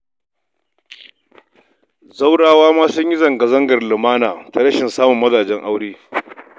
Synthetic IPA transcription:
za˦wɽaː˦waː˦maː˦sʊ˦ɲji˦zɐ˨ŋɡa˨zɐ˦ŋɡɐ˨rlʊ˨maː˦naː˨ta˨ɽɐ˦ʃɪ˨nsaː˦mʊ˨mːɐ˦zaː˨d͡ʒɛ˦ŋʔa˦wɽeː˦

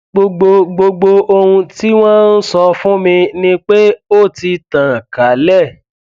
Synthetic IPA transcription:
ɡ͡bo˧ɡ͡bo˧ɡ͡bo˧ɡ͡bo˧o˧hũ˧ti˦w̃ɔ̃˦n̩˦sɔ˧fũ˦mĩ˧nĩ˦k͡pe˦o˦˨ti˧tã˨ka˨˦lɛ˦˨

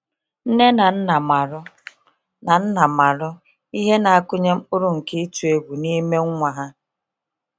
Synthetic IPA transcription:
n̩˦ne˦na˨n̩˦na˨ma˨ɾʊ˦ | na˨n̩˦na˨ma˨ɾʊ˦ | i˦ɦe˦na˨a˦˨kʊ˦ɲe˦m̩˦ʊ˦ɾu˦˨ŋ̩˨ki˦tu˨e˦ɡʷu˨ni˦me˦ŋ˦ŋʷa˨ɦa˦

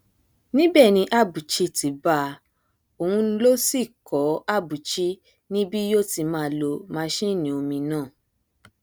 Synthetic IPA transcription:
nĩ˦bɛ˦˨nĩ˧ʔa˦˨bu˨t͡ʃi˧ti˨˦ba˧˦ | o˨hũ˧˦lo˦si˦˨kɔ˨˦a˦˨bu˨t͡ʃi˦ | nĩ˦bi˦jo˦ti˧mãː˦lo˧mãː˦ʃi˦˨nĩ˨˦o˧mĩ˧nãː˦˨

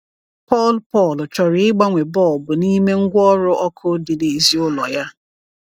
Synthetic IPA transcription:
pɔ˦˨lpɔ˦˨lt͡ʃɔ˨ɾɪ˨ɪ˦ɡ͡ba˦ŋʷe˨bɔ˦˨lbʊ˨ni˦me˦ŋ̩˦ɡʷɔ˦ɾʊ˦ʔɔ˦kʰʊ˦dɪ˨de˨zi˦ʊ˦lɔ˨ja˦

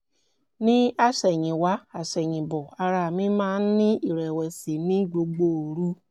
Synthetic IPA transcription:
nĩ˦a˦sɛ˨ɲĩ˨wa˦a˨sɛ˨ɲĩ˨bɔ˨a˧ɾa˨mĩ˦mã˦nĩ˦i˨ɾɛ˨wɛ˨si˨nĩ˦ɡ͡bo˧ɡ͡bo˨ɾu˦

